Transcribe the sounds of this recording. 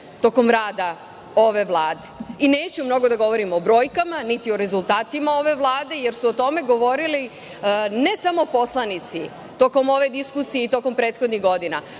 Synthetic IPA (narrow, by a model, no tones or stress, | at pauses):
t̪o̞ko̞mɾaːd̪a | o̞ʋe̞ʋlˠaːd̪e̞ine̞ːt͡ɕumno̞ɡo̞d̪aɡo̞ʋo̞ɾimobɾo̞ːjkamanit̪io̞ɾe̞zulˠt̪aːt̪imao̞ʋe̞ʋlˠaːd̪e̞je̞ɾsuot̪o̞me̞ɡo̞ʋo̞ɾili | ne̞samo̞po̞slˠanit̪si | t̪o̞ko̞mo̞ʋe̞d̪iskusijeit̪o̞ko̞mpɾeːt̪xo̞d̪niɣɡo̞d̪ina̰